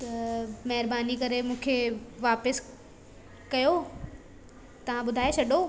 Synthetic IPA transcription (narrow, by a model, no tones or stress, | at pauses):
t̪ɐmɛɦɪɾbaːnikɐɾemũːkʰeʋaːpəs | kɐjo | t̪ɐʋ̤ãɓʊd̪ʱaːjet͡ɕʰɐɗo